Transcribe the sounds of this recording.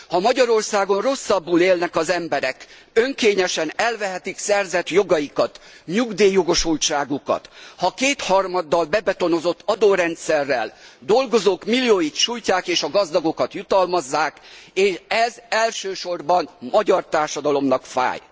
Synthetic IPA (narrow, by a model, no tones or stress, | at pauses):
hɒmɒɟɒɾo̞rsaːɡo̞nro̞sːɒbːuleːlnɛkɒzɛmbɛɾɛk | øŋkeːɲɛʃɛnɛlvɛɦɛt̪iksɛrzɛt̪joɡɒjikɒt̪ɲuɡd̪eːjo̞ɡo̞ʃult͡ʃaːɡukɒ̰t̪hɒkeːt̪hɒrmɒd̪ːɒlbɛbɛt̪o̞no̞zo̞t̪ːɒd̪oːɾɛnt̪sɛrːɛ̰ld̪o̞lɡo̞zoːkmilijoːjit̪ʃujcaːkeːʃɒɡɒzd̪ɒɡokɒt̪jut̪ɒlmɒzːaːkeːʃɛzɛlʃøːʃo̞rbɒnmɒɟɒrt̪aːrʃɒd̪ɒlo̞mnɒkfa̰ːj